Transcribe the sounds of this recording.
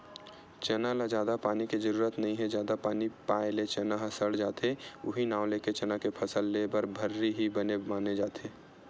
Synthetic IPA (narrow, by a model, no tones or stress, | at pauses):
t͡ʃenalad͡ʒjaːd̪apaːniked͡ʒəɾuːɾət̪nɐɦĩɦɛd͡ʒjaːd̪apaːnipaːelet͡ʃenaɦɐsəɽd͡ʒaːt̪ʰeʊɦinaːʋleːket͡ʃɐnakepʰəsəlːebəɾbʱəɾːiɦibənemaːned͡ʒaːt̪ʰeː